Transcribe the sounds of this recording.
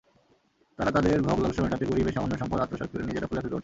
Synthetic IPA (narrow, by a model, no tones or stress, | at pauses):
t̪aɾat̪ad̪eɾbʱɔblɔɡʃɔmeʈat̪ekoɾibeʃamonːoʃɔmpɔd̪at̪ɾoʃɔk̚t̪ʰoɾenid͡ʑeɾapʰulat̪ʰed̪o̰ɾʈ̪ʰ